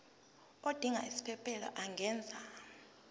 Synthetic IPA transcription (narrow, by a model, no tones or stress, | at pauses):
od̥ʱiŋa̰isi̥pʰɛpʰɛlɔ̰ʔaŋʱɛːnd͡zʱa